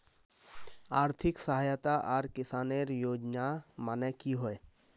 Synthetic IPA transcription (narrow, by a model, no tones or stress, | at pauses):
aːɾt̪ʰɪksəɦaːjt̪aʔɔːɾkɪsaːneɾjoːd͡ʒnamanəkiɦoe